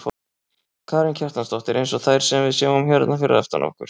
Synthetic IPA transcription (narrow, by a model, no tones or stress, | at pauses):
kʰaːɾɪncʰɛr̥t̪anst̪ɔht̪ɪɾejnsɔθajɾ̥sɛmvɪðsjɛːvʏmɔmçœɾt̪nafɪɾɪ̰ðɛ̰ft̪a̰na̰whkʏ̰ɾ̥